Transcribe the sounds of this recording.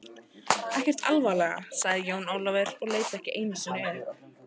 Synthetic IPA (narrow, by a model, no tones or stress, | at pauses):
ɛhcɛr̥t̪alvalɛɣa̰saɣðɪjoːwnoːwlavɛɾɔɣleːjt̪ɪ̥ɛhcɪʔeːjnasʏnʏɛð